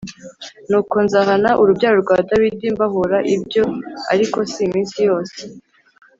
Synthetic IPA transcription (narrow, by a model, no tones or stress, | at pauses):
nuːko̞nzahanaʔuɾubɟaːɾuɾɡwaːdaɾwidiːmbaɦoɾaʔibɟo̞a̰ɾiko̞simiːnsijo̞ːse